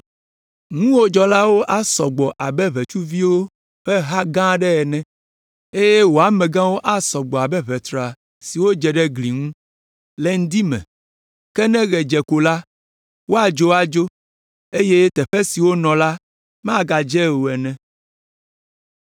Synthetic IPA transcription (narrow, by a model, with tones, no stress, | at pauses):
ŋũ˦wo˦d͡ʒɔ˦la˦wo˦ʔa˦sɔ˨ɡ͡bɔ˨ʔa˨bɛ˦βɛ˨t͡ʃu˦vi˦wo˦ | ɸɛ˦ɦa˦ɡã˦ɖɛ˦ɛ˨nɛ̃˦ | e˦jɛ˦wo˨a˨mɛ̃˨ɡã˦wo˦ʔa˦sɔ˨ɡ͡bɔ˨a˨bɛ˦βɛ˨t̪ɾa˨ | si˨wo˦d͡ʒɛ˨ɖɛ˦ɡli˨ŋũ˦ | lɛ˦ŋ̩˦d̪i˦mɛ̰̃˨ | kɛ˦nɛ̃˦ɣɛ˨d͡ʒɛ˨ko˨la˦ | wo˦a˨d͡ʒo˦a˨d͡ʒo˦ | e˦je˦t̪ɛ˨ɸɛ˦si˨wo˦nɔ̃˨la˦ | m̃˦a˦˨ɡa˨d͡ʒɛ˦wo˨ɛ˨nɛ̃˦